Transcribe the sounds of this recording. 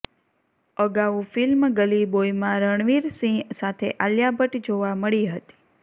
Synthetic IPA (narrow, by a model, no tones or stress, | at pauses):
əɡaʋũfilmɡəlibojmãɾəɳ̃ʋiɾsĩsat̪ʰḛʔaljabʱəʈd͡ʒoʋaməɭiɦət̪i̥